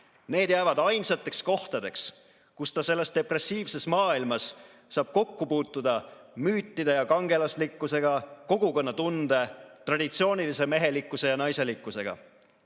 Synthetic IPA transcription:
ne̞ːd̪̥jæːvɑd̪ɑjnsɑt̪ːˑe̞ksko̞ht̪ɑd̪e̞ks | kust̪ɑse̞lːe̞st̪e̞pre̞siːvse̞smɑːilmɑsː | ɑːb̥̚ko̞kːupuːt̪ːud̪̥ɑ | myːt̪ˑːid̪ejɑkɑŋɡe̞lɑslikːˑuse̞ɡ̥ɑko̞ɡ̥uko̞nːɑt̪und̪̥e̞t̪rɑd̪̥it̪sio̞ːnilise̞me̞ɦe̞likːˑuse̞jɑnɑjse̞likːˑuse̞ɡ̥ɑ̰

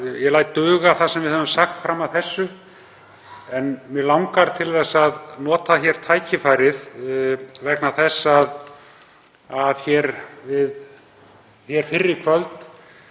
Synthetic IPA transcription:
jɛlaːjt̪ːœːɣaθasɛmvɪðhœvʏmsaxt̪fɾaːmaðθɛsːʏ | ɛnmjɛlawŋkaɾ̥t̪ʰɪlθɛsːaðnɔːt̪açɛɾ̥t̪ʰaːjcʰɪfaːjɾɪð | vɛknaθɛsːað | aðçɛɾvɪð | θjɛɾ̥fɪrːɪkʰvœlt̪

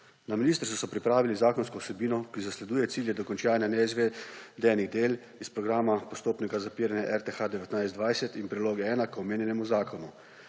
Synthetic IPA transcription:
naminiːst̪əɾsusɔpɾipɾaːʋilizaːkɔnskɔwsɛbiːnɔkizaslɛd̪uːjɛt̪siːljɛd̪ɔkɔnt͡ʃaːnɛnɛizʋed̪ɛniɣd̪eːl | ispɾɔɡɾaːmapɔst̪oːpnikazapiːɾɛnjaʔɛɾt̪exad̪ɛʋɛt̪najztd̪ʋajsɛt̪inpɾiloːɡɛɛːnakɔmeːnjɛnɛmuzaːkʰɔnu

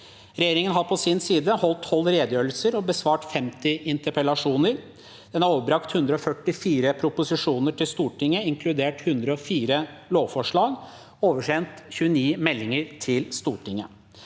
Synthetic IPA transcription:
ɾɛjeːɾɪŋənɦɑɾpʰɔsɪnsiːd̪əhɔlt̪ʰːɔlːɾeːd̪jøːəlsəɾɔbəsʋɑːʈfɛmt̪ɪʔɪnt̪əɾpɛlɑʂuːnəɾ | d̪̥ɛnɑɾoːʋəbɾɑkt̪hʉnd̪ɾəɔfœʈːɪfiːɾəpʰɾʊpʊsɪʂuːnəʈɪlst̪uːʈɪŋːəɪŋkʰlʉd̪eːʈhʉnd̪ɾəɔfiːɾəloːʋfɔʂɭɑːɡ | oːʋəʂɛnt̪çʉːəniːmɛlːɪŋəɾt̪ʰɪlst̪uːʈɪŋːə

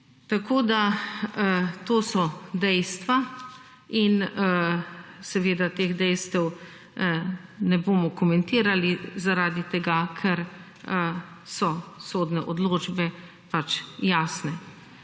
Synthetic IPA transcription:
t̪akʰoːd̪a | t̪oːsɔd̪ɛjst̪ʋa | in | sɛʋeːd̪at̪eːɣd̪ɛjst̪ɛw | nɛboːmɔkɔmɛnt̪iːɾalizaɾaːd̪it̪ɛɡakʰɛɾ | sɔsoːd̪nɛʔɔd̪loːd͡ʒbɛ | pat͡ʃjaːsnɛ

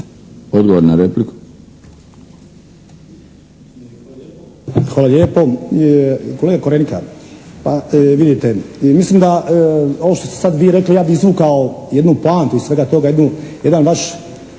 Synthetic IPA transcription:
od̪ɡoʋoɾnaɾepliku̥ | xʋaːlaljeːpo̞ | ko̞leɡakoɾenika̰paʋid̪it̪emislimd̪ao̞ʋoːʃt̪ost̪esad̪ʋiːɾe̞klijaːbiizʋuːkaojed̪nuplaːnt̪uissʋe̞ɡat̪o̞ɡajed̪nuje̞d̪anʋaʃ

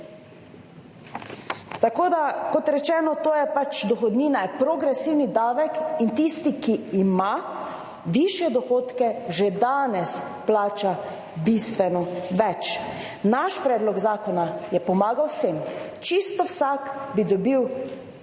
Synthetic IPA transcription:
t̪akoːd̪akɔt̪ɾɛt͡ʃɛːnɔt̪oːjɛpat͡ʃd̪ɔxɔd̪niːnajɛpɾoɡɾɛsiːwnid̪aːʋɛkint̪ist̪ikiːma | ʋiʃjɛd̪ɔxoːt̪kɛʒed̪aːnɛs | plaːt͡ʃa | bist̪ʋɛnɔʋɛt͡ʃ | naʃpɾɛːd̪lɔɡzaːkɔnajɛpɔmaːɡawwsem | t͡ʃist̪ɔwsakbid̪ɔbiw

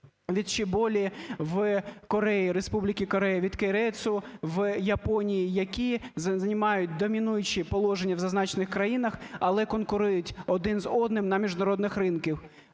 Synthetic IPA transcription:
ʋʲid̪t͡ʃɪbɔlʲiʋkɔɾɛjiɾespublʲɪkʲikɔɾɛjɐʋʲid̪keɾɛsʊʋjɐpɔnʲijijɐkʲizznʲɪmɑjʊt̚ʲd̪ɔmʲinujʊt͡ʃipɔlˠɔʒenʲːɐwzɐznɑt͡ʃnɪxkɾɐjinɐxɐlˠɛkɔnkʊɾujʊtʲɔd̪ɪnzɔd̪nɪmnɐmʲiʒd̪ɐɾɔd̪nɪxɾɪnkʲiw

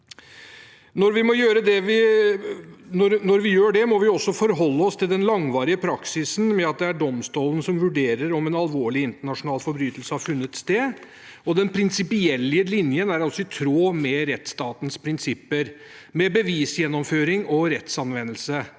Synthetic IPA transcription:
nɔɾʋɪmɔjøːɾəd̪ɛʋɪ | nɔɾnɔɾʋɪjøːɖɛmɔʋɪɔsːɔfɔɾɦɔlːəɔst̪ʰɪld̪ɛnlɑŋʋɑːɾɪəpʰɾɑksɪsn̩mɛɑt̪̚d̪ɛæɖɔmst̪uːlən̩sɔmʋʉɖeːɾəɾɔmɛnɑlʋoːɭɪɪnt̪əɳɑʂʊnɑːlfɔɾbɾyːt̪əlsəhɑɾfʉnːət̪st̪eː | ɔd̪ɛnpʰɾɪnsɪpɪɛlːɪəlɪnjənæɾɑsːɔɪt̪ʰɾoːmɛɾɛt̪st̪ɑːt̪n̩spʰɾɪnsɪpːəɾ | mɛbəʋiːsjɛnːɔmføːɾɪŋɔɾɛt̪sɑnʋɛnːəlsə

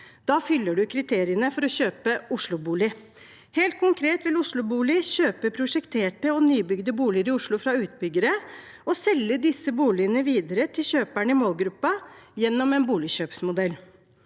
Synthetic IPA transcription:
d̪̥ɑːfʏlːəɖʉkʰɾɪt̪ʰeːɾɪənəfɔɾɔɕøːpəʊʂɭʊbuːlɪ | heːlt̪̚kʰʊŋkʰɾeːt̪ʋɪlʊʂɭʊbuːlɪɕøːpəpʰɾʊʂɛkt̪ʰeːʈəɔnyːbʏɡd̪əbuːlɪəɾɪʊʂɭʊfɾɑʉːt̪̚bʏɡːəɾə | ɔsɛlːəd̪ɪsːəbuːlɪənəʋiːd̪əɾət̪ʰɪlɕøːpæɳəɪmoːlɡɾʉpːɑjɛnːɔmɛːnbuːlɪɕøːpsmʊd̪ɛlː

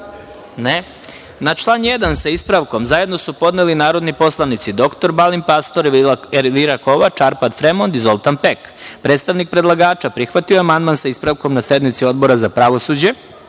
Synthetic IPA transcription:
ne | nat͡ʃlˠanjed̪ansaispɾaʋko̞mzaje̞d̪no̞supo̞d̪nelinaːɾo̞d̪nipo̞slˠaʋnit̪sid̪o̞kt̪o̞ɾbalimpast̪o̞ɾɾliɾako̞ʋat͡ʃaɾpad̪fɾemond̪izo̞lˠt̪anpekpɾet̪st̪aʋnik̚pɾed̪lˠaɡaːt͡ʃapɾixʋat̪ioamand̪mansaispɾaʋko̞mnase̞d̪mit̪sio̞d̪bo̞ɾazapɾaʋo̞suːd͡ʑe̞

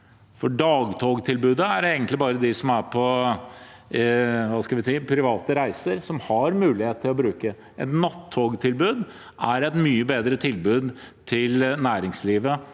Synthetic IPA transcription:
fɔɖɑːɡt̪ʰoːɡt̪ʰɪlbʉːd̪əæɾeːɡənt̪lɪbɑːɾəd̪ɪsɔmæpʰɔ | ʋɑːskɑlʋɪsiːpʰɾɪʋɑːt̪əɾæɪsəɾsɔmhɑɾmʉːlɪheːt̪t̪ʰːɪlɔbɾʉːkə | ʔɛ̰t̪nɑt̪ʰːoːɡt̪ʰɪlbʉːd̪ | æɾɛt̪myːəbeːd̪ɾət̪ʰɪlbʉːd̪t̪ʰɪlnæːɾɪŋsliːʋə

